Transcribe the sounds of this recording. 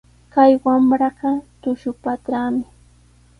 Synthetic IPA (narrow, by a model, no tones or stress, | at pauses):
kajwamɾɑɢɑt̪ʊʃʊpat̪ɾaːmɪ